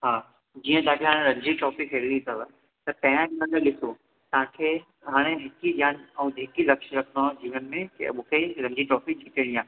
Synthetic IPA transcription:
ɦaː | d͡ʑiːə̃d̪aːʈʰiɦaːɽ̃ẽɾɐ̃ɲd͡ʑiʈɔːpikʰeɾilisɐʋa | t̪ɐpɐ̃ɦɪãd͡ʒnɐ̃ɡəɗɪso | t̪ɐɦãkʰeː | ɦaːɽ̃eɦɪkiʄʱjaːnɛ̃ũd̪ɪkilɐkʃɾɐkʰnad͡ʑiːʋənmẽkɐ̰mũkʰeɾɐ̃ɲd͡ʑiʈɔːpid͡ʒʱit̪iɽ̃ĩãː

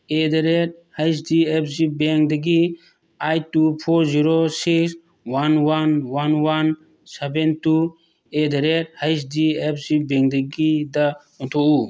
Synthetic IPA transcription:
ed̪aɾet̚hajs̬diepʰsibɛŋdaɡi | ajtupʰɔɾziɾosiks | wanwanwanwan | sebentu | edaɾet̚hajs̬diepʰsibɛŋdaɡida | ɔnt̪ʰɔʔu

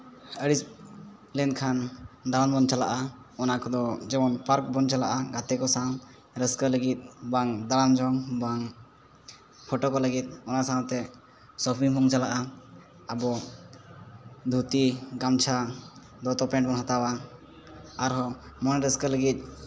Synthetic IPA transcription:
əɽis | lɛnkʰand̪aɾambɔnt͡ʃala̰ʔaɔnakɔd̪ɔd͡ʒɛbɔnpaɾk̚bɔnt͡ʃalaʔaɡat̪ɛkɔsaw | ɾɛskələɡit̪̚baŋd̪aɽamd͡ʒɔŋbaŋ | pʰɔʈɔkɔləɡit̪̚ˀɔnasawt̪ɛ | sɔpʰiŋbʰɔŋt͡ʃalaʔa | əbɔ | d̪ʱut̪iɡamt͡ʃʰa | d̪ɔt̪ɔpɛ̃ɳʈbɔnɦat̪awaː | ɾɦɔmɔnɾɛskələɡit̪̚ˀ

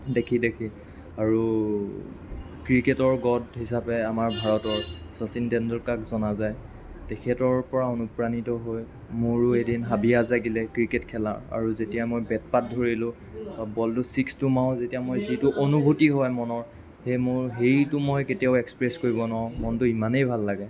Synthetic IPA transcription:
dekʰidekʰi | aɹu | kɹiketɔɹɡɔdɦisapɛamaɹbʱaɹɔtɔɹsɔsintɛndɔɹkakzɔnazaj | tɛkʰɛtɔɹpɔɹaonupɹanitɔɦoj | mʊɹʊedinɦabiazaɡilɛkɹiketkʰɛla̰ɹa̰ɹuzetijamojbɛt̚pat̚dʱoɹilʊ̃ | babɔltʊsikstʊmaʊ̃zetijamojzitʊʔonubʱutiɦɔjmɔnɔɹ | hejmʊɹɦejtʊmojketijaʊekspɹɛskoɹibɔnɔaʊmɔntʊimanejbʱalːaɡɛ

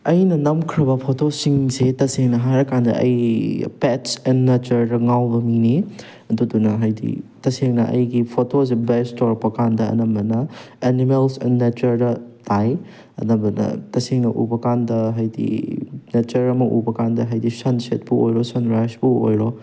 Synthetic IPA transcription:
ɐjnɐnɐmkʰɾɐbɐpʰotosiŋsetɐseŋnɐɦaɾɐkandɐ̰ʔɐ̰jpetsenːet͡ʃɐɾdɐŋawbɐmini | ɐdudunɐɦajdḭtɐseŋnɐʔɐ̰jɡipʰotos̬ebestoɾpɐkandɐɐ̰nɐmbɐnɐenimelsḛnːet͡ʃɐɾdɐtʰaj | ɐ̰nɐbɐnɐ̰tɐseŋnɐʔṵbɐkandɐɦajdḭnet͡ʃɐɾɐmɐʔṵbɐkandɐɦajdisɐnset̚puojɾosɐnɾasbuo̰jɾo

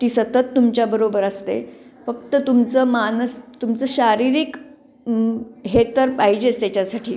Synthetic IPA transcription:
t̪iːsət̪ət̪ːumt͡ɕjabəɾobəɾəst̪ḛfəkt̪ət̪umt͡səːmanəst̪umt͡səɕaɾiɾiːk | ɦet̪əɾpaɦid͡ʑet͡st̪jat͡ɕjasaʈʰiː

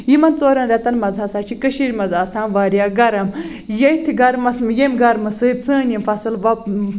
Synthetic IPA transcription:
jimɐnt͡soːɾɐnɾʲɐt̪ɐnmɐzɦɐsaːt͡ʃʰikɨʃiɾʲmɐzaːsaːnʋaːɾijaːɡɐɾɐm | jɐjt̪ʰiɡɐɾmɐsmjemɡɐɾmɨsɨːd̪t͡sɨ̃ːnʲimfɐsɨlʋɐ

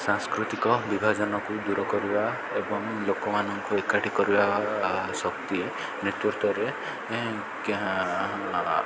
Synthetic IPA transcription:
sãŋskɾut̪ikɔbibʱad͡ʒɔnɔkud̪uɾɔkɔɾiba | ebɔŋlokɔmanɔŋkuekaʈʰikɔɾibasɔkt̪ie | nɾit̪uɾt̪ɔɾe

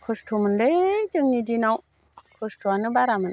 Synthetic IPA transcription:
kʰustʰumɯnded͡ʒɯŋɲidinaw | kʰustʰwanɯbaɾamɯn

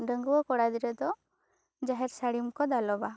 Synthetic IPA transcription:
ɖəŋɡuwɔkɔɽad̪iɾəd̪ɔ | d͡ʒaɦɛɾsaɽimkɔd̪alɔba

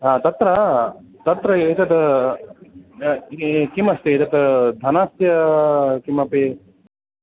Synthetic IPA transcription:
ɦãːt̪ɐt̪ɾɐ | t̪ɐt̪ɾɐit̪ɐt̪ | kimɐst̪iit̪ɐt̪d̪ʱɐnaːst̪jɐkimɐpe

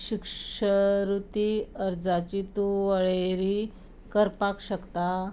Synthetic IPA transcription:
ɕikʂəɾut̪iəɾd͡zat͡ɕit̪uʋəɭeɾi | kəɾpakɕəkt̪a

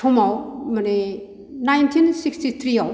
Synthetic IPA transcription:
tʰomawmane | najntʰinsikstit̪ʰɾiaw

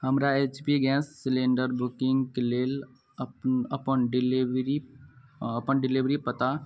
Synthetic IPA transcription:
hɐmɾaeːt͡ʃpiɡɛ̃ːsːɪlẽːɳɖəɾbʊkɪ̃ŋɡkeleːl | pɐpənɖɪlʋɾi | ɐpənɖɪlɪʋɾipɐt̪a

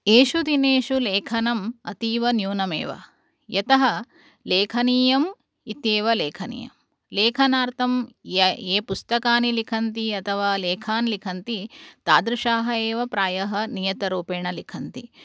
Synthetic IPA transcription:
eːʃud̪ineːʂuleːkʰɐnɐmɐt̪iːʋɐnjuːnɐmḛːʋɐ̰ | jɐt̪ɐɦɐ̆ | leːkʰɐniːjɐm | it̪eːʋɐleːkʰɐnḭːjɐ̰m | leːkʰɐnaːɾt̪ʰɐm | eːpust̪ɐkaːnilikʰɐnt̪iɐt̪ʰɐʋaːleːkʰaːnlikʰɐnt̪it̪aːd̪ɾuʃaːɦɐeːʋɐpɾaːjɐɦɐ̆nijɐt̪ɐɾuːpeːɳɐlikʰɐnt̪i

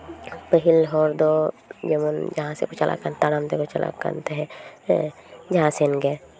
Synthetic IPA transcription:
pəɦɪlɦɔːɾd̪od͡ʒemənd͡ʒɐɦãsḛkot͡ʃalʔa̰kənt̪aɽamd̪ekot͡ʃɐlʔa̰kə̰nt̪eɦɛ̃ | d͡ʒɐɦãsenɡe

